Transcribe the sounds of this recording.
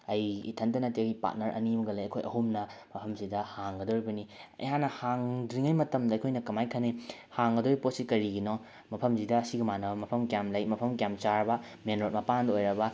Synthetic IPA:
ɐjḭtʰɐntɐnɐt̬iewɡipa̰t̚nɐɾʔɐ̰nimɐɡɐlɐjɐ̰kʰojʔɐ̰ɦumnɐmɐpʰɐmzidɐhaŋɡɐdoɾibɐniɐ̰jɦanɐhaŋdɾiŋajmɐtɐmdɐjkʰojnɐkɐmajkʰɐne | haŋɡɐdoɾipot̚sikɐɾiɡinɔ | mɐpʰɐmzidɐɐsiɡɐmanɐbɐmɐpʰɐmkjamlɐjmɐpʰɐmkjamt͡ʃaɾbɐ | menɾot̚mɐpandojɾɐbɐ

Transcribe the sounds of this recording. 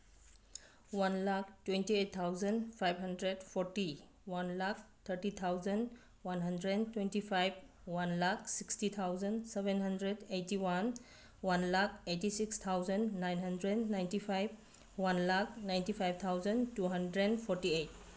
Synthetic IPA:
wanlak̚twẽntiet̚t̪ʰawzənpʰajbɦɐndɾedpʰɔɾti | wanlak̚t̪ʰəɾtit̪ʰawzən | wanɦəndɾentwentipʰajb̚ | wanlaksikstit̪ʰawzənsɛbɛnɦandɾedejtiwan | wanlak̚ejtisikst̪ʰawzənːajnɦandɾednajntipʰajb | wanlak̚najntipʰajb̚t̪ʰawzəntuɦandɾenpʰɔɾtiejt̚

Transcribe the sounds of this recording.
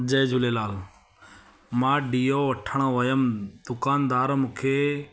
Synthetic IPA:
d͡ʑɐːd͡ʑʱʊlelaːl | mãːɖiːoʋɐʈʰəɽ̃oʋɐjəmd̪̥ʊkaːnd̪aːɾmũːkʰeː

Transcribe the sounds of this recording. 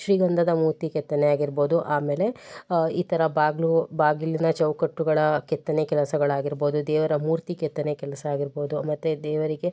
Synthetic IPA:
ʃɾiːɡɐnd̪ʱɐd̪ɐmuːɾt̪ikɛt̪ːɐneaːɡiɾbo̞ːd̪uʔaːme̞ːleiːt̪ɐɾɐbaːɡlubaːɡilːinɐt͡ʃɐwkɐʈːuɡɐɭɐkɛt̪ːɐnekɛlɐsɐɡɐɭaːɡiɾbo̞ːd̪ud̪ɛːʋɐɾɐmuːɾt̪ikɛt̪ːɐnekɛlɐsɐaːɡiɾbo̞ːd̪umɐt̪ːed̪ɛːʋɐɾiɡe̞

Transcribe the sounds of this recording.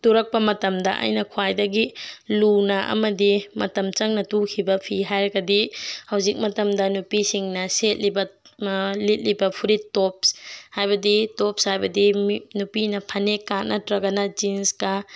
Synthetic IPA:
tuɾɐk̚pɐmɐtɐmdɐ̰ʔa̰jnɐkʰwajdɐɡilunɐʔɐ̰mɐdimɐ̰tɐmt͡ʃɐŋnɐtukʰibɐpʰiɦajɾɐɡɐdihɐwzik̚mɐtɐmdɐnupisiŋnɐset̚libɐ | lit̚libɐpʰuɾitɔp̚shajbɐditɔpshajbɐdimnupinɐpʰɐnekːanʔɐtɾɐɡɐnɐd͡ʒinskɐ

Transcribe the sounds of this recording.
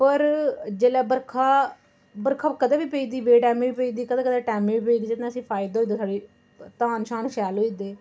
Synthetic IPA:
pəɾd͡ʒeːlɛːbəɾkʰaː | bəɾkʰaːkəd̪aːʋiːpeiːd̪iːbeːʈɛːmĩːʋiːpəiːd̪iːkəd̪aːkəd̪aːʈɛːmĩːʋiːpeiːd̪iːd͡ʒet̪nãəsĩːpʰaːɪd̪oːd̪eːt̪ʰaːɖiː | t̪aːnʃaːnʃɛːlɦoːiːd̪eː

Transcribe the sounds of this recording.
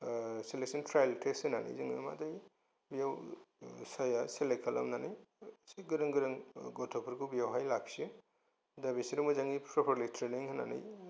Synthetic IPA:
seleksintʰɾajltʰesɯnanḭjzɯŋḭma̰daj | bijaw | sajaselekʰala̰mnanijsɡɯɾɯŋɡɯɾɯŋɡɔtʰɔpʰɯɾkubijawɦajlaksɯ | dabisiɾumɯzaŋipʰɾɔpʰɔɾlitʰɾeniŋhɯna̰nḭj

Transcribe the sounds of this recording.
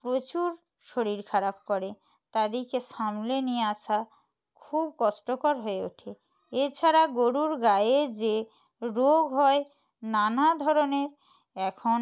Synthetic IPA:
pɾot͡ɕuɾ | ʃoɾiɾkʰaɾab̚kɔɾe | t̪ad̪iɾkeʃamlenijeaʃa | kʰub̚kɔʃʈokoɾɦoeo̰ʈʰe | et͡ɕʰaɾaɡoɽuɾɡaed͡ʑe | ɾoɡɦɔe | nanad̪ʱɔɾoneɾ | ɛkʰon

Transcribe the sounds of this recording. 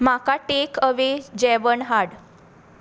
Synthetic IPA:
makaʈekəʋed͡ʑɛʋəɳɦaɽ

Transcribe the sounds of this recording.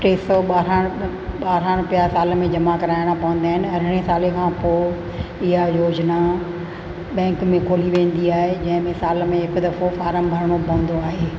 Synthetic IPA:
ʈeːsɔɓaːɾaɽ̃ | ɓaːɾaɽ̃pɪjasaːlmẽd͡ʑɐmakɐɾaːɪɽ̃apɐʋə̃nd̪aːɦɪnɪ̆ɐɾɪɽ̃esaːlekʰãːpoː | ɪɦajoːd͡ʑna | ɓɛ̃ːŋkmẽkoːliʋẽːn̆d̪iaːɦed͡ʑɐ̃ɦɪ̃mẽsaːlmẽɦɪkd̪ɐfofaːɾəmbʱɐɾɽ̃opɐə̃nd̪oaːɦeː

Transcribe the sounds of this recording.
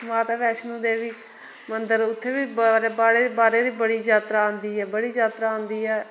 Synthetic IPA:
maːt̪aːʋɛːʃnũːd̪eːʋiː | mənd̪əɾʊt̪ʰːeːbiːbɾeːbaːɽeːd̪eːbaːɾeːd̪iːbəɽiːd͡ʒaːt̪ɾãːnd̪iːɛːbəɽiːd͡ʒaːt̪ɾaːõːnd̪iːɛː

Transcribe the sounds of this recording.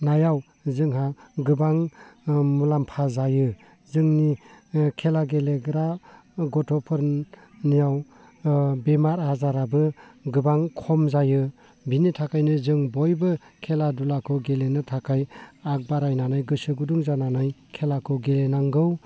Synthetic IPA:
najaw | zɯŋɦaɡɯbaŋ | mulampʰazajɯ | zɯŋnikʰelaɡeleɡɾaɡɔtʰɔpʰɯɾ | nijaw | bemaɾhazaɾabɯɡɯbaŋkʰɔmzajɯ | binitʰakʰajnɯzɯŋbɔjbɯkʰeladulakʰɯɡelenɯtʰakʰajak̚baɾajnanajɡɯsɯɡuduŋzananajkʰelakʰɯɡelenaŋɡɯw

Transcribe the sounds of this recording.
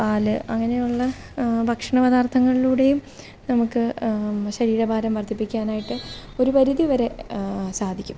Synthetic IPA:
paːlɨʔɐŋːɐne̞juɭːɐ | bʱɐkʂɐɳɐʋɐðaːrt̪ʰɐŋːɐɭiluːɽe̞jum | nɐmukːɨɕɐɾiːɾɐbʱaːɾɐmʋɐrt̪ʰːipːikʲːaːnaːjiʈːɨo̞ɾupɐɾiðiʋɐɾe̞saːd̪ʱikʲːum

